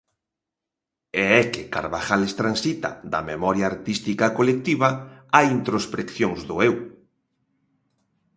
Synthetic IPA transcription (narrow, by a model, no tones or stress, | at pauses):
ɛɛkɪka̰ɾβaxalest̪ɾansit̪ɐ̰d̪ɐ̰memɔɾjaːɾt̪ist̪ikɐkolek̚t̪iβɐajint̪ɾospɾekθjoŋzðʊew